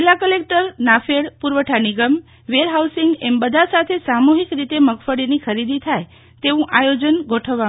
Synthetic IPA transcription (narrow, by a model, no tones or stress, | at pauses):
ilakəlek̚ʈəɾnafeɽpuɾʋəʈʰaniɡəm | ʋeɾɦawsiŋɡembəd̪ʱasat̪ʰesamuɦikɾit̪eməɡfəɽinikʰəɾid̪it̪ʰaj | t̪eʋũʔajod͡ʒənɡʱoʈʰəʋːa